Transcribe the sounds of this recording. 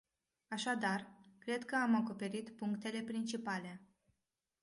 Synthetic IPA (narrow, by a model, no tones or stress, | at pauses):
aʃad̪arkɾe̞d̪kəamako̞pe̞ɾit̪puŋkt̪e̞le̞pɾint͡ʃipale̞